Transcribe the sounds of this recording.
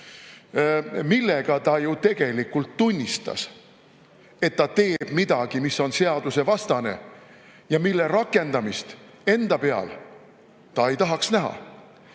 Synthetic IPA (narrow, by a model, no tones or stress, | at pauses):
milːe̞ɡ̥ɑt̪ɑjut̪e̞ɡ̥e̞likːult̪ːunʲːist̪ɑ̰s | e̞t̪ːɑt̪e̞ːb̥mid̪̥ɑɡ̥imiso̞nse̞ɑd̪̥use̞vɑst̪ɑne̞̰ | jɑmilːe̞ɾɑkːˑe̞nd̪ɑmist̪ | e̞nd̪̥ɑpe̞ɑ̰l | t̪ɑe̞jt̪ɑɦɑksnæɦɑ̰